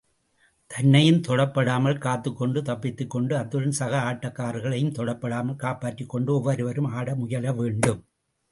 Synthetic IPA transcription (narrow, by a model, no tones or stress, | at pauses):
t̪ʰɐnːɐjɯmt̪ɔɽɐpːɐɽaːmɐlkaːt̪ːɯkːɔɳɖɯt̪ɐpːɪt̪ːɯkːɔɳɖɯɐt̪ːɯɻɐnsɐɣɐaːʈːɐkːaːɾɣɐɭɐjɯmt̪ɔɽɐpːɐɽaːmɐlkaːpaːʈrɪkːɔɳɖɯɔʋːɐɾɯʋɐɾɯmaːɽɐmʊjɐlɐʋeːɳɖɯm